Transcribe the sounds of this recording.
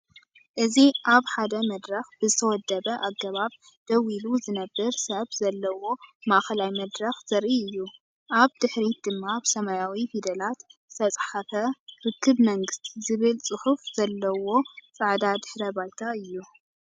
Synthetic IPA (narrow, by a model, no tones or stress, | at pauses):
ʔɨziʔaβħad̪ɐmɐd̪ɾɐxbɨzɨt̪ʰɐwɔd̪ːɐβɐʔaɡːɐβaβ | d̪̥ɐwiluzɨnɐbːɐɾsɐβzɐlːɐwo̞maʔxɐlajmɐd̪ɾɐxz̥ɐɾʔiɨjːu | ʔaβd̪ɨħɾid̪̥ɨmːabsɐmajawifid̪ɐlat̪zɨ̥t̪ʰɐt͡sʼħafɐɾɨkʰːɨβmɐŋɡɨst̪ʰi̥zɨβɨlt͡sʼɨħufz̥ɐlːɐwo̞t͡sʼaʕd̪ad̪ɨħɾɐbajt̪ʰaɨjːu